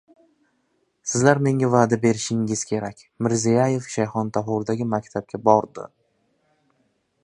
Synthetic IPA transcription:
sɪzlaɾme̞ŋavaːd̪abe̞ɾɪʃɪŋɪz̥kʲʰe̞ɾakʲ | mɪɾzijaje̞fʃajχɒnt̪ʰaɦʊɾd̪aɡʲɪmakʲt̪ʰap̚kʲabɒɾd̪ɪ̰

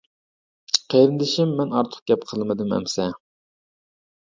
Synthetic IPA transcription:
qʰejɾɪnd̪ɪʃimːɛnɑɾt̪ʰʊ̥χ̚ɡʲɛpqʰəlˠmɨd̪ɨmɛ̰msɛ

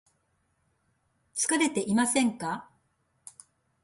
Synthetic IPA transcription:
t͡sɨ̥kaɾe̞t̪e̞ʔimasẽ̞ŋka

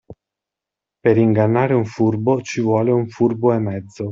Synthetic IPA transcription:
peɾiŋɡanːaːɾeuɱfurbot͡ʃivwɔːleuɱfurboemɛd̪zːo

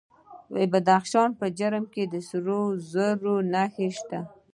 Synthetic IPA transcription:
wḛbad̪axʃɑnpəd͡ʒaɾəmked̪əsɾozəɾonaxeʃt̪a

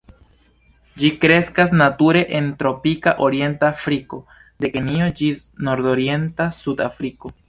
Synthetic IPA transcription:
d͡ʒikɾe̞skas̬natuɾe̞ʔentɾo̞pikaʔo̞ɾie̞ntafɾiko̞ | de̞kenio̞d͡ʒi | no̞ɾdoɾije̞ntasuda̰fɾiko̞

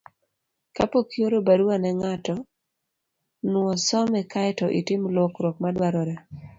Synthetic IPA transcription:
kapokjoɾobaɾuwanɛŋatɔ | nwɔsɔmɛkajtɔʔitɪmlokɾok̚madwaɾɔɾɛ

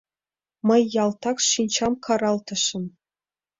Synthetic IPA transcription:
mɤ̆jːɑlˠt̪ɑkʂinʲt͡ɕɑmkʰɑɾɑlˠt̪ɤ̆ʃɘ̆n

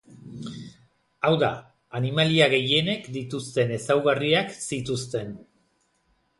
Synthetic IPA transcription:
awða | animaliaɣe̞je̞ne̞kd̪it̪ust̪e̞ne̞sawɣariaksit̪ust̪e̞n

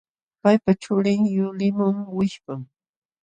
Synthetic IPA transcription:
pajpaʈ͡ʂʊɾɪŋjʊlɪmʊŋwɪʃpaŋ

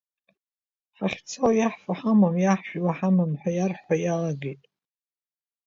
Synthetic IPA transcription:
ħaχʲt͡sʰowjaħfaħamamjaħʃᶣwaħamamħʷajarħʷajalaɡejtʼ

